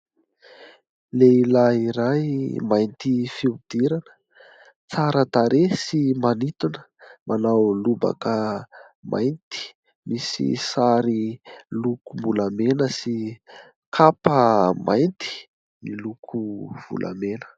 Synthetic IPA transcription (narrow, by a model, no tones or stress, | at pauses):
leilaiɾajmajnt̪ifiud̪̥iɾanə̥ | t͡saɾət̪aɾesimanit̪unə̥mʔanawluba̰kə | mʔa̰jnt̪i̥ | misḭsaɾilukumbulamenəsi | kʰapəmajnt̪i̥ | nilukʰuv̥ṵlʔa̰menə̥